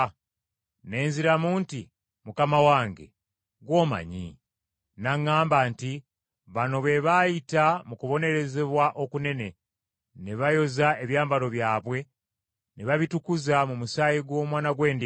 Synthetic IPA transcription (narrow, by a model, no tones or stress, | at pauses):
ne̞ːnziɾamuːnti | mukamawaːŋɡe̞̰ | ɡwo̞ːma̰ɲḭ | naŋːaːmbanti | βano̞βe̞βajitamukuβo̞ne̞ɾe̞zeβwaʔo̞kune̞ne̞ | neβajo̞zae̞βjaːmbaɾo̞βjaːβwe̞ | neβaβitukuzamumusaːjiɡwo̞ːmwaːnaɡwe̞ːndi